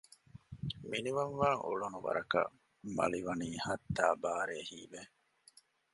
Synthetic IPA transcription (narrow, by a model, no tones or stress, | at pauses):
miniʋɐnʋaːŋʔṵɭunuʋɐ̰ɾɐkɐ̰ | mɐ̰liʋɐniːhɐt̪ːaːbaːɾeːhiːbe